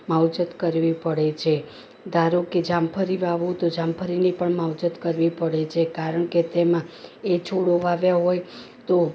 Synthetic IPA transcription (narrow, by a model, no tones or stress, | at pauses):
mawd͡ʒət̪kəɾʋipəɽet͡ʃʰe | d̪ʱaɾoked͡ʒampʰəɾiʋaʋũt̪od͡ʒampʰəɾinipəɳmawd͡ʒət̪kəɾʋipəɽet͡ʃʰekaɾəɳket̪emãet͡ʃʰoɽoʋaʋjaɦoj | t̪o